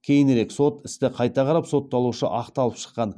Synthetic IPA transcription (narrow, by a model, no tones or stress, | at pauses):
kʲʰe̞jɪneɾe̞kso̞t̪ɪst̪ɪqʰɑjt̪ɑʁʰɑɾɑpso̞t̪ːɑlˠuʃə̰ʔɑqt̪ɑlˠəpʃə̥qːɑn